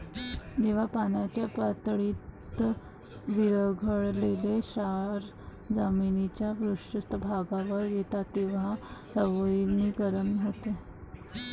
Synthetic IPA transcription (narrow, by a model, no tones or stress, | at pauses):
d͡ʑeʋ̤apanat͡ɕjapət̪ɽiːt̪ | ʋiɾəɡʱəɽleleɕaɾ | d͡zaminit͡ɕjabɾuʂəst̪əbʱaɡaʋəɾjet̪at̪ːeʋ̤asəʋəjnikəɾənɦot̪e